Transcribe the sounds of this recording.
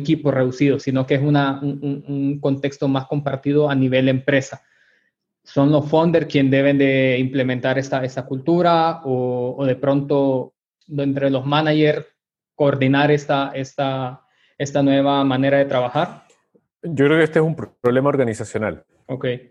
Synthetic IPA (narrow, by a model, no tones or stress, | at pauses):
kipo̞re̞ðusiðosino̞keesunauuuŋko̞nt̪e̞kst̪o̞masko̞mpaɾt̪iðo̞aniβe̞ld̪empɾe̞sa | so̞nlo̞sfo̞nd̪eɾskje̞nd̪e̞βe̞nd̪e̞imple̞mẽnt̪aɾest̪ae̞st̪akult̪uɾaoːðe̞pɾo̞nt̪o̞ | d̪ent̪ɾe̞lo̞zmanaʝe̞ɾ | ko̞ːɾd̪inaɾest̪aest̪a | e̞st̪anwe̞β̞amane̞ɾaðe̞t̪ɾaβaxaɾ | d͡ʒokɾeokeest̪oesumpɾoβle̞mao̞ɾɣanisasjo̞na̰l | okej